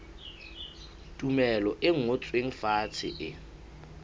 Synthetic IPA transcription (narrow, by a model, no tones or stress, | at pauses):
tʼumɛlɔʔɪŋ̩ot͡sʼweŋ̩faːt͡sʰɪ̰ʔɪ